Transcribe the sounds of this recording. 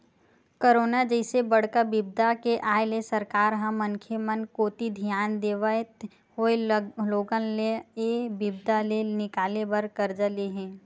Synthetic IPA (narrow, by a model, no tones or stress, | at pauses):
koɾoːnad͡ʒəɪsebɐɽ̤kabɪb̚d̪akeʔaːelesəɾkaːɾɦãmənkʰemənkoːt̪id̪ʱjaːnd̪eːʋaet | hoːeloːɡənleebɪbd̪alenɪkaːlebɐɾkɐɾd͡ʒəleɦɛ̃ː